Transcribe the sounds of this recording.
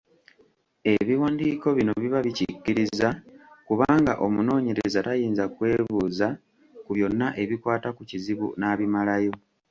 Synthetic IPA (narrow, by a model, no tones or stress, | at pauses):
e̞βiwaːndiːko̞βino̞βiβaβicicːiɾizakuβaːŋɡaʔo̞muno̞ːɲe̞ɾḛezatajiːnzakwe̞ːβuːza | kuβjo̞nːaʔe̞βikwaːtakuciziβṵnaβimalajo̞